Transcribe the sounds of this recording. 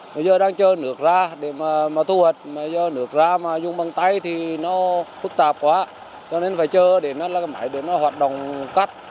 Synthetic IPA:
ma˨˩zəː˧ɗaː˧ŋt͡ɕəː˧nɨ˨˦˩ək̚zaː˧ɗe˧˩maː˨˩maː˨˩t̪ʰu˧həː˨˩t̚maː˨˩zəː˧nɨ˨˧˩ək̚zaː˧maː˨˩zʊ˧ŋ͡mɓa˨˩ŋt̪a˧jt̪ʰi˨˩nɔ˨˦fɨ˦˥k̚t̪aː˨˩p̚kwaː˨˦ | t͡ɕɔ˧ne˧nfaː˧˩˦jt͡ɕəː˧ɗe˧˩nɔ˨˦la˨˧˨ma̰ː˧˨˩jɗe˧˩nɔ˨˦hwaː˨˩t̚ɗo̰˨wŋ͡mka˦˥k̚

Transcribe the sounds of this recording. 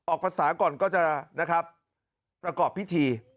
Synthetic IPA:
ʔɔː˨˩k̚pʰa˧saː˩˦kɔː˨˩nkɔː˥˩t͡ɕa˨˩na˦˥kʰɾa˦˥p̚ | pːɾa˧kɔː˨˩pʰːi˦˥t̪ʰiː˧

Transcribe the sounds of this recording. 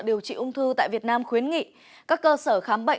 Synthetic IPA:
ɗi˨˩əwt͡ɕḭ˧˨ʔʊ˧ŋ͡mt̪ʰɨ˧t̪a̰ː˧˨jvi˨˩t̚naː˧mxwi˨˦ənŋḭ˧˨ | kaː˦˥kːəː˧səː˧˩xaː˨˦mɓə̰˧˨

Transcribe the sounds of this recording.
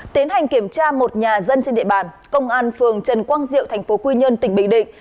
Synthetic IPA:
t̪i˨˦ənha˨˩jŋ̟ki˧˩əmt͡ɕaː˧mo˨˩t̚ɲaː˨˩zə˧nt͡ɕe˧nɗḭ˧˨ɓaː˨˩n | kə˧wŋ͡mʔaː˧nfɨ˨˩əŋt͡ɕə˨˩nkwaː˧nzḭ˧˨əwt̪ʰjŋ̟fo˨˦kwi˧ɲə˧nt̪ï˧˩ŋ̟ɓï˧˨ŋ̟ɗḭ̈˧˨ŋ

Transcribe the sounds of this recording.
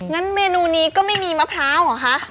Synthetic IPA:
ŋa˦˥nmeː˧nuː˧niː˦˥kɔː˥˩ma˥˩jmiː˧ma˦˥˩pʰɾaː˦˥wa˨˩˦kʰa˦˥ʔ

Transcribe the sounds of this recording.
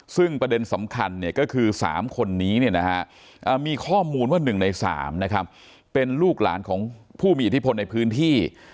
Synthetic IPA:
sɯ˥˩ŋpɾa˧de˧nsa˩˦mkʰa˧nːi˥˩ɐkɔː˥˩kʰɯː˧sa̰ː˩˦mkʰo˧nːiː˦˥ni˥˩ɐna˦˥kʰa˦˥ʔ | ʔəː˨˩miː˧kʰɔː˥˩muː˧nwaː˥˩nɯ˨˩ŋna˧jsa̰ː˩˦mna˦˥kʰa˦˥p̚ː | e˧nluː˥˩k̚la̰ː˩˦nkʰɔː˩˦ŋpʰuː˥˩miː˧ʔt̪ʰi˦˥pʰo˧nːa˧jpʰɯː˦˥nt̪ʰiː˥˩

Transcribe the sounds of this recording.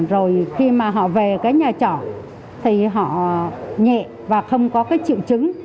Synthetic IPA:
zo˨˩jxi˧maː˨˩ɦɔ̰˧˨ve˨˩kaː˨˦jɲaː˨˩t͡ɕɔ̰˧˩˨n | t̪ʰi˨˩ɦɔ̰˧˨ɲɛ̰˧˨ | vaː˨˩xə˧wŋ͡mkɔ˨˦kaː˨˦jt͡ɕḭ˧˨wt͡ɕɨ˨˦ŋ

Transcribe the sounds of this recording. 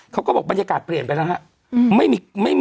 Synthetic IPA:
kʰa˦˥wkɔː˥˩bɔː˨˩k̚ba˧njaː˧kaː˨˩t̪̚pli˨˩ənpa˧jna˦˥ɦa˦˥ʔ | ma˥˩jmiː˧ma˥˩j

